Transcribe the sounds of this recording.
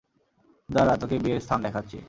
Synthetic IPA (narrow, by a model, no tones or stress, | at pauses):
d͡ʑaɾat̪okebieɾst̪ʰand̪ɛkʰatːɕʰḭ